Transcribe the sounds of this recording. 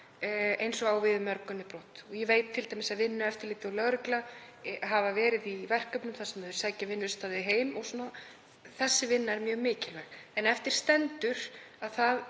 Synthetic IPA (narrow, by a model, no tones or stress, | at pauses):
ejnsɔɣawvɪðʏmœɾkʏnːɪpɾɔt̪ɔɣjɛvejt̪t̪ʰɪlt̪ajmɪsaðvɪnːʏɛft̪ɪɾlɪːt̪ɪɔlœɣɾʏkla | ɦavavɛːɾɪðivɛr̥kœpnʏmθasamœːðʏɾ̥sajcavɪnːʏɾst̪aːðɪɦeːjmɔɣsuːna | θɛsːɪvɪnːaɛɾmjœːɣmɪːcɪlvɛɣɛnɛft̪ɪɾ̥st̪ɛnt̪ʏɾ̥aðθað